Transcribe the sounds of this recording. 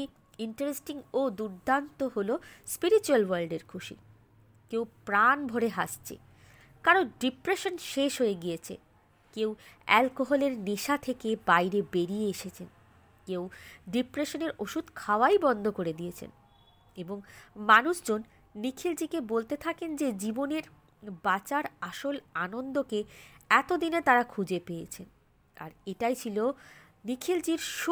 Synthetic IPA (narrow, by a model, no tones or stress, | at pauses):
i | iɳʈaɾesʈiŋod̪uɾd̪ʱant̪oɦolospiɾit͡ɕualwaɾlɖeɾkʰuʃḭ | kewpɾanbʱoɾeɦaʃt͡ɕʰḛ | kaɾonɖipɾeʃonʃeʃɦojeɡiet͡ɕʰḛ | kewɛlkoɦoleɾneʃat̪ʰekebajɾebeɾieeʃet͡ɕʰen | kewɖipɾeʃoneɾoʃud̪ʱkʰaoajbɔnd̪ʱokoɾed̪ijet͡ɕʰḛn | eboŋmanuʃd͡ʑonː | ikʰild͡ʑikebolt̪et̪ʰakend͡ʑed͡ʑiboneɾ | bat͡ɕaɾaʃolanond̪okeɛt̪od̪inet̪aɾakʰud͡ʑepeet͡ɕʰen | a̰ɾeʈajt͡ɕʰilo | nikʰild͡ʑiɾʃ